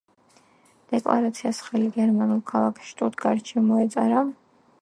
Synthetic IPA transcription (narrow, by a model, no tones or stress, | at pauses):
d̪̥ɛkʼlˠa̰ɾat̪sʰiasχɛliɡɛɾmanulˠkʰalˠakʰʃt̪ʼut̪ʰɡaɾt͡ʃʰɛmɔɛt̪sʼaɾa